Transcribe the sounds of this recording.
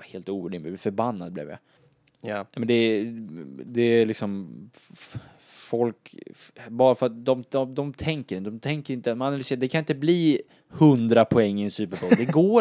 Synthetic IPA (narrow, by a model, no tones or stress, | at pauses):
heːlt̪uːvəɖɪmɛfœɾbanːad̪̚blɪ̰ːvja̰ | amɛnd̪ɛ | d̪ɛlɪksɔm | fɔlk | bɑːɾafœɾat̪̚d̪ɔmɔd̪ɔmt̪ʰɛŋkəɾɪnd̪ɔmt̪ʰɛŋkəɾɪnt̪əmanalʏseːɾd̪ɛkʰanɪnt̪əbliː | hɵnd̪ɾapʰɔɛŋːɪɛnsʉːpəɾbɔld̪ɛɡoː